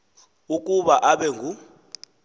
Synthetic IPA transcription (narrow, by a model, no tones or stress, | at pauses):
ukʼuɓaʔaɓɛŋɡʱu